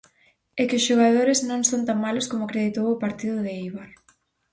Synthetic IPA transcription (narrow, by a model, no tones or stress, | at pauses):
ɛkɪʊsʃoɣ̞að̞oɾɪznõŋsõnt̪aŋmalʊskomʊakɾeðit̪owʊpaɾt̪iðʊðɪiβaɾ